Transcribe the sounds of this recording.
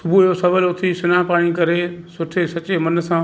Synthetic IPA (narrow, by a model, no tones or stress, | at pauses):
sʊbujosɐʋəlʊt̪ʰisʊnaːpaːɽ̃ikɐɾesʊʈʰesɐt͡ɕemɐn̆sãː